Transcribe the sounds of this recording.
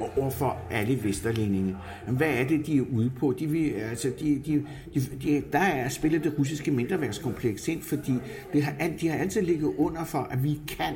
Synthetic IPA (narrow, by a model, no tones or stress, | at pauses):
ɒ̰ɐfɒ̽ʔæləʋesd̥ɐlene̝ŋə | jʋæːɐd̥e̝d̥iæɐʔuð̞ˠəpʰɒ̽d̥iʋe̝ælsəd̥id̥i | d̥id̥id̥ɑ̈æɐsb̥e̝lɐd̥e̝ʁus̬isɡ̥əmend̥ɐʋæɐɡ̥skʰɒ̽mpʰleɡ̥se̝n̰fɒ̽d̥ḭː | d̥e̝ɦɑ̈ʔæd̥ihɑ̈æl̰t͡sʰið̩̰ˠle̝ɡ̥ð̞̩ˠɔ̽n̰ɐfɒ̽ʔæʋikʰæn